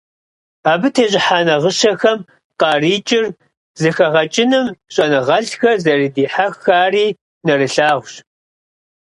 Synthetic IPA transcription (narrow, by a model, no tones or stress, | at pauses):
aːbɨtʰeːʑɪħaːnɐʁəʃɐxɐm | qɑːriːt͡ʃʼɪr | zɨxɐʁɐt͡ʃʼɪnɨmɕʼɐnɨʁɐɬxɐzɐridiːħaxːaːriː | nɐrɨɬaːʁʷɕ